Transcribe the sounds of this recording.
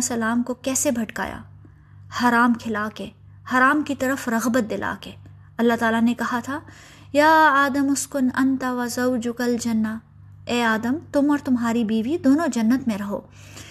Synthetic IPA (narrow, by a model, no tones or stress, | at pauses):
sɐlaːmkokɛːsebʱɐʈka̰ːja̰ː | hɐɾaːmkʰɪlaːkeː | hɐːɾaːmkit̪ɐɾəfɾɐɣbət̪̚d̪ɪlʔa̰ːkeː | ɐlːat̪aːlanekɐɦat̪ʰaː | jaːaːd̪əmʊskʊnɐnt̪aʋɐzɐwd͡ʒʊkɐld͡ʒɐnːa | ɛːaːd̪əmt̪ʊmɔːɾt̪ʊmɦaːɾibiːʋid̪oːnõd͡ʒɐnːət̪mẽɾɐɦo̰ː